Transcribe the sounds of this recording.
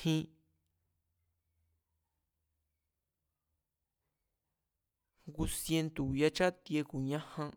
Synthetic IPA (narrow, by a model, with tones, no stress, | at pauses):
hĩ˧ | ɡu˧sje˧nt̪u˨ja˧t͡ʃa˦t̪je˧ku˨ɲã˦hã˧